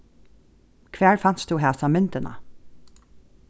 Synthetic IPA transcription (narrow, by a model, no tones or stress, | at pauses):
kʰʋæːɹfɑn̥t̪sd̪uːɦæːsɑmʏnt̪ənɑ̰